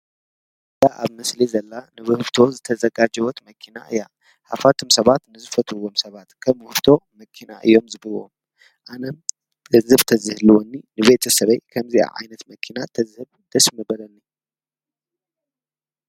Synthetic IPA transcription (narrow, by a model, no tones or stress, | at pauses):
ɨd̪aʔaβmɨslizɐlːanɨβɨhɨβt̪ʰo̞zɨt̪ʰɐzɐɡad͡ʒɐwɔt̪mɐkʰina̰ʔɨ̰ja | ha̰fat̪ʰɨmsɐβat̪nɨzɨfɐt̪ʰɨwːomsɐβat̪kʰɐmhɨft̪ʰo̞mɐkʰina̰ʔɨ̰jːo̞mzɨβɨlo̰m | ʔanɐm | ɡɨzɨβt̪ʰɐzɨhluwɔnːinɨβe̞t̪ʰɐsɐβɐjkʰɐmziʔa̰ʕa̰jnɐt̪mɐkʰinat̪ʰɐzɨhɨβ | d̪̥ɐsmɐbɐlɐnːi